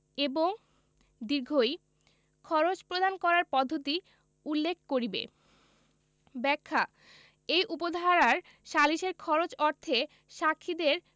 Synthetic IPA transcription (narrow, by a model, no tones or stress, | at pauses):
eboŋ | d̪iɾɡʱoj | kʰɔɾot͡ɕpɾod̪ankɔɾaɾpɔd̪ʱːot̪i | ulːekʰkoɾibḛ | bɛkʰːa | ejʔupod̪ʱaɾaɾ | ʃaliʃeɾkʰɔɾot͡ɕɔɾt̪ʰe | ʃakʰːid̪eɾ